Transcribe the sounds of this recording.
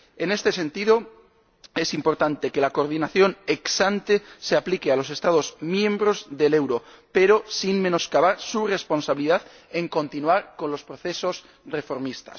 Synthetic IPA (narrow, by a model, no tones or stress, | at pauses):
e̞ne̞st̪e̞se̞nt̪ið̞o̞ | e̞simpo̞ɾt̪ant̪e̞ke̞lako̞ɾð̞inaθjo̞ne̞ksant̪e̞seaplikealo̞s̬e̞st̪að̞o̞zmjẽ̞mbɾo̞zðe̞le̞wɾo̞ | pe̞ɾosinme̞no̞skaβaɾsure̞spo̞nsaβiliðað | e̞ŋko̞nt̪inuaɾko̞nlo̞spɾo̞θe̞so̞s | re̞fo̞ɾmist̪a̰s